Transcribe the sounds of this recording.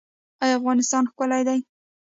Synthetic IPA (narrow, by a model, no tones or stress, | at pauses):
ajafɣɑnɪst̪ɑnxkʊlajd̪aj